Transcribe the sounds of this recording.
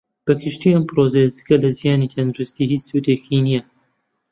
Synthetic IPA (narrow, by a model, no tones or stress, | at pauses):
b̥ɐkʰɨʃt̪iʔɐmpɾozezɨkɐlɐzijaːnit̪ʰɐnd̪ɾust̪iɦiːsut̪eːkʰinijɐ